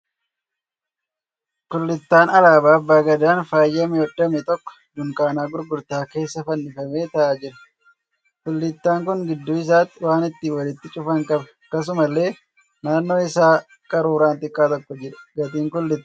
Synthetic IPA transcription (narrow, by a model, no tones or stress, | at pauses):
kʊlːɪt̪ːaːnɐlaːbaːbːaːɡɐd̪aːnfaːjːɐmɪɔdːɐmɛt̪ɔkːɔ̥d̪ʊŋkaːnaːɡʊɾɡʊɾt̪aːke̞ːsːɐfɐnːɪfɐme̞ːt̪ɐʔaːd͡ʒɪɾɐ̥ | kʊlːɪt̪ːaːŋkʊŋɡɪd̪ːuːɪs̬aːt̪ːɪwaːnɪt̪ːɪwɐlɪt̪ːɪt͡ʃʼʊfɐŋkʼɐbɐ | kːɐs̬ʊmɐlːe̞ː | naːnːo̞ːɪsaː | kʼɐɾuːɾaːnt̪ɪkʼːaːt̪ɔkːɔd͡ʒɪᶑɐ̥ɡɐt̪ʼiːŋkʊlːɪt̪ː